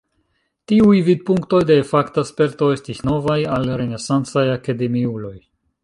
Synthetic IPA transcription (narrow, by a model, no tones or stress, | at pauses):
tiujvid̪̚puŋkto̞jde̞ːfaktaspe̞ɾto̞e̞stisno̞vajalɾe̞ne̞sant͡sajakade̞miulo̞j